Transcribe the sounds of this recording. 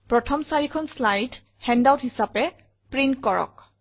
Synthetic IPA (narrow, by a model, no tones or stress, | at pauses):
pɹɔtʰɔmsaɹikʰɔnslajt | hɛndawtɦisapɛ | pɹintkɔɹɔ̰k̚